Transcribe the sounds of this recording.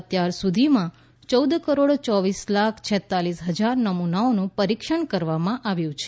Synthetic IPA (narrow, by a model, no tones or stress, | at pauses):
ət̪jaɾsud̪ʱimã | t͡ʃəwd̪kəɾoɽt͡ʃɔʋislakʰt͡ʃʰɛt̪ːalisɦəd͡ʒaɾnəmunaonũpəɾikʃəɳkəɾʋamãʔaʋjũt͡ʃʰe